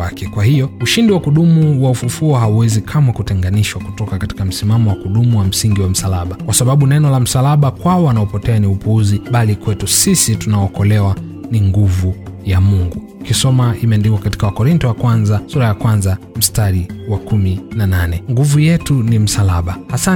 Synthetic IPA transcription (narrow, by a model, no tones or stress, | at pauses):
akɛkwahijɔuʃindiwakuɗumuwaufufuɔɦauwɛzikʰamakutɛŋɡaniʃwakutɔkakati̥kam̩simamɔwakuɗumuwam̩siŋɡiwam̩salaɓakwasaɓaɓunɛnɔlam̩salaɓakwaɔanaɔpɔtɛaniupuuziɓalikwɛtusisitunaɔkɔlɛwa | niŋɡuvujamuŋɡu | kisɔmaimɛndikwakati̥kawakɔɾintɔwakwanzasuɾajakwanzam̩staɾiwakuminananɛŋɡuvujɛtunim̩salaɓahasa